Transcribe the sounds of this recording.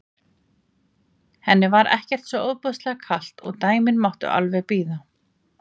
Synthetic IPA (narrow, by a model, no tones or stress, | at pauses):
hɛnːɪvaɾɛ̰hcɛr̥t̪sɛoːwðpœðst̪lɛɣakʰal̥t̪ɔɣt̪aːjmɪnmawht̪ʏ̰ʔa̰lvɛɣpiːða